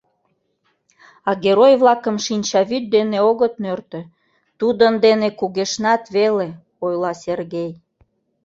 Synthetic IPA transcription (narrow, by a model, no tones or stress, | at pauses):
ɑɣeɾojβlɑkəmʃinʲt͡ɕɑβyt̪̚d̪eneoɣət̪nørt̪ø̆ | t̪ud̪ənd̪enekuɣeʃnɑt̪βele | ojlɑserɣej